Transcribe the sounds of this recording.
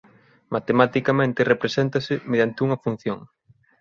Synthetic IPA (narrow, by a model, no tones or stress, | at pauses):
mat̪emat̪ikamẽnt̪ɪrepɾesent̪asɪmeðjant̪ɪuŋɐfun̟θjoŋ